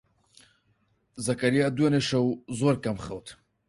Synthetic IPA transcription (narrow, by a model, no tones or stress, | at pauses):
zakaɾijad̪ueneʃawzoɾkamχawt̪ʰ